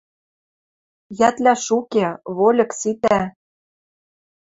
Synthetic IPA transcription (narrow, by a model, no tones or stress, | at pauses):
jæt̪lʲæʃukeβolʲɤ̆ksit̪æ